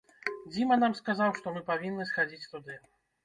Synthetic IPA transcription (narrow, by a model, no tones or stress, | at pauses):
d͡zʲimɐnamskazawʂt̪ɔmɨpavʲinːɨsxad͡zʲit͡sʲt̪ud̪ɨ